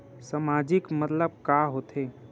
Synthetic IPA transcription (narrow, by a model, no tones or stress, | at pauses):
samaːd͡ʒɪkmət̪ləb̚kaɦoːt̪ʰeː